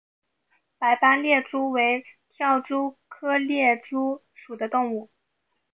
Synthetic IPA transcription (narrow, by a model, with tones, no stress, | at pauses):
pa˧˥ɪpa˥nljɛ˥˩ʈ͡ʂu˥we˧˥ɪt̪ʰjɑ˥˩ʊʈ͡ʂu˥kʰɤ˥ljɛ˥˩ʈ͡ʂu˥ | ʂu˨˩d̪ə˦t̪ʊ˥˧ŋu˥˩